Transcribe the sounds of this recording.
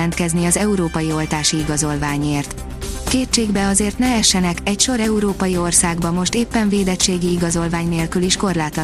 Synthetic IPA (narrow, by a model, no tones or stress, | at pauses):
ɛnt̪kɛzniɒzɛuɾoːpɒjio̞lt̪aːʃiiɡɒzo̞lvaːɲeːrt̪ | keːt͡ʃeːɡbɛɒzeːrt̪nɛɛʃːɛnɛkɛcʃo̞ɾɛuɾoːpɒjio̞rsaːɡbɒmo̞ʃt̪eːpːɛɱveːd̪ɛt͡ʃːeːɡiːɡɒzo̞lvaːɲneːlkyliʃko̞rlaːt̪ɒ